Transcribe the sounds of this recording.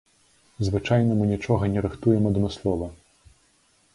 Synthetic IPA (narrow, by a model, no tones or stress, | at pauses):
zvɨt͡ʂajnɐmɨnʲit͡ʂɔɣɐnʲɛɾɨxt̪ujɛmɐd̪mɨslˠɔvɐ